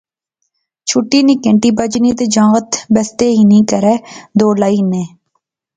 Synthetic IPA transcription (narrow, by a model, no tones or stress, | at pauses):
t͡ʃʰʊʈːiːnĩːkẽɳʈiːbəd͡ʒnĩːt̪eːd͡ʒãːɡət̪bəst̪eːɦiːnĩːkəɾɛːd̪oːlaːiːnẽː